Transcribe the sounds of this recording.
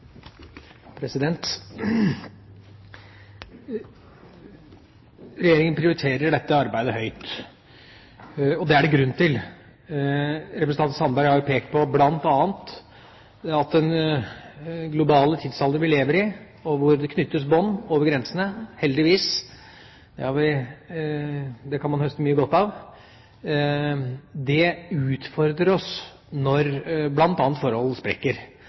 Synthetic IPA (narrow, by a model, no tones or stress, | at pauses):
pʰɾɛsɪd̪ɛnt̪ | ɾɛjeːɾɪŋənpʰɾɪʊɾɪt̪ʰeːɾəɖɛt̪ːəɑɾbæɪd̪əhœʏt̪ | ɔd̪ɛæɖɛɡɾʉnːt̪ʰɪl | ɾɛpɾs̩ɑnn̩sɑnbæɾɡhɑɾjʊpʰeːk̚t̪̚pʰɔblɑnt̪ɑːnt̪ | ɑt̪̚d̪ɛn | ɡlʊbɑːlət̪ʰɪd̪sɑld̪əʋɪleːʋəɾəɪ | ɔʋʊɾd̪ɛkʰnʏt̪ːəsbɔnːoːʋəɾɡɾɛnsənəhɛld̪ɪʋiːs | d̪̥ɛ̰hɑɾʋɪ | d̪ɛkʰɑnmɑnhœst̪əmyːəɡɔt̪ːɑʋ | d̪ɛʉːt̪fɔɾd̪ɾəɾɔs | nɔɾblɑnt̪ɑːnt̪fɔɾhɔlspɾɛ̰kːəɾ